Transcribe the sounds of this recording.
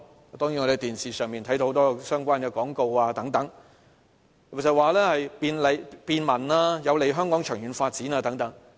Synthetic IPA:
t̪ɔː˥ŋji˧˥nŋɔ˧de˨˧t̪iː˨˩nsiː˨˩sœː˨ŋmiː˨nt̪ʰɐ˨˥jd̪o˧˥ht̪ɔː˥sœː˥ŋkʷaː˥nkɛː˧kɔː˨˥ŋko˧waː˧t̪ɐ˨˥ŋt̪ɐ˨˥ŋ | ksɐ˨t̚waː˨˧lɛː˥hɐ˨jpiː˨˧nle˨˧jpiː˨˧nmɐ˨˩naː˧jɐ˨˧wle˨˧jɦœː˥ŋkɔː˨˥ŋt͡ʃʰœ̰ː˨˩ŋjyː˨˥nfaː˧t̚t͡siː˨˥naː˧t̪ɐ˨˥ŋt̪ɐ˨˥ŋ

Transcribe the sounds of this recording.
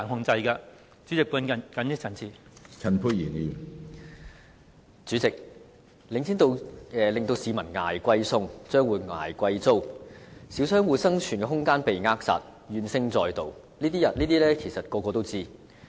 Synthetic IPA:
aː˨˩nɦʊ˨˧ŋt͡sɐ˧jka˧ | t͡syː˨˥t͡sɪ˨k̚puː˨˥n˨kɐ˨njɪ˥t͡sʰɐ˨˩nt͡sʰiː˨ | t͡sʰɐ˨˩npʰu˧jiː˨˩niː˨˩ | t͡syː˨˥t͡sɪ˨k̚ | lɪ˨ŋsiː˥nt̪o˧wɛː˨lɪ˨ŋt̪o˧wsiː˨˧mɐ˨˩nŋa̰ː˨˩jkʷɐ˧jsʊ˧ŋt͡sœː˥ŋwuː˨˧jŋa̰ː˨˩jkʷɐ˧jt͡so˥wsiː˨˥wsœː˥ŋwuː˨sɐ˥ŋt͡ʃʰyː˨˩nkɛ˧ɦʊ˥ŋkaː˥npe˨jŋaː˥k̚sa̰ː˨t̚ | jyː˨˧nsɪ˥ŋt͡sɔː˧jt̪o˨˧w | liː˥t̪iː˥jɐ˨t̚liː˥t̪iː˥lɛː˥kʰe˨˩jsɐ˨˩t̚kɔː˧kɔː˧t̪o˥wt͡siː˥

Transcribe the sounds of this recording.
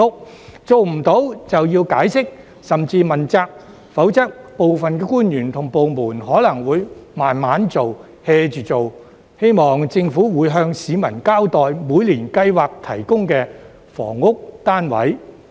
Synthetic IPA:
ʊ˥k̚ | t͡so˨wm̩˨˩t̪o˨˥wt͡sɐ˨wjiː˧wkaː˨˥jsɪ˥k̚ | sɐ˨mt͡siː˧mɐ˨˩nt͡saː˧k̚ | fɐ˨˥wt͡sɐ˥k̚po˨wfɐ˨nkɛː˧kuː˥njyː˨˩nt̪ʰʊ˨˩ŋpo˨wmuː˨˩nɦɔː˨˥lɐ˨˩ŋwuː˨˧jmaː˨˩nmaː˨˥nt͡so˨w | hɛː˧t͡ʃyː˨t͡so˨w | he˥jmɔː˨˩ŋt͡sɪ˧ŋfuː˨˥wuː˨˧jɦœː˧ŋsiː˨˧mɐ˨˩nkaː˥wt̪ɔː˨jmuː˨˧jliː˨˩nkɐ˧jwaː˨k̚t̪ʰɐ˨˩jkʊ˥ŋkɛː˧ | fɔ̰ː˨˩ŋʊ˥k̚t̪aː˥nwɐ̰˨˥j

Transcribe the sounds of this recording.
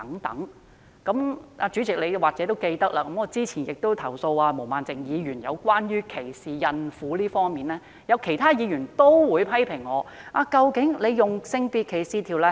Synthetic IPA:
ɐ˨˥ŋt̪ɐ̰˨˥ŋ | kɐ˨˥mʔaː˧t͡syː˨˥t͡sɪ˨k̚le˨˧jwaː˨k̚t͡sɛː˨˥t̪o˥wke˧jt̪ɐ˥k̚laː˧kɐ˨˥mŋɔː˨˧t͡siː˥t͡sʰiː˨˩njɪ˨k̚t̪o˥wt̪ʰɐ˨˩wso˧waː˧mo˨˩wmaː˨nt͡sɪ˨˩ŋjiː˨˧jyː˨˩njɐ̰˨˧wkʷaː˥njyː˥kʰe˨˩jsiː˨˩jɐ˧nfuː˨˥liː˥fɔː˥ŋmiː˨nlɛː˥ | jɐ˨˧wkʰe˨˩jt̪ʰaː˥jiː˨˧jyː˨˩nt̪o˥wwuː˨˧jpʰɐ˥jpʰɪ˨˩ŋːɔː˨˧ʔaː˧kɐ˧wkɪ˨˥ŋle˨˧jjʊ˨ŋsɪ˧ŋpiː˧t̚kʰe˨˩siː˧t̪ʰiː˨˩wlɛ˧˥

